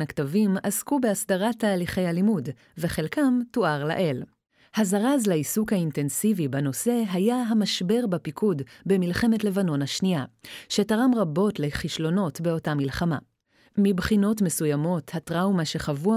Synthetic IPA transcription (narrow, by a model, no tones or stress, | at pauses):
naktavimaskubeasdaʁatːaːliχe̞jhalimud | veχe̞lkamtuʔaʁla̰ʔe̞l | hazaʁazlaisukhainte̞nsivibano̞se̞ɦajaɦamaʃbe̞ʁbapikʰudbemilχe̞me̞tle̞vano̞nhaʃniaʃe̞taʁamʁabo̞tle̞χiʃlo̞no̞tbe̞o̞tamilχama̰ | mibχino̞tme̞sujamo̞thatʁaumaʃe̞χavua